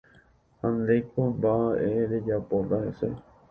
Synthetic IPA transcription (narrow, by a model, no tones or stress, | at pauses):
hãnd̪ejkombaʔeɾed͡ʒapot̪ahese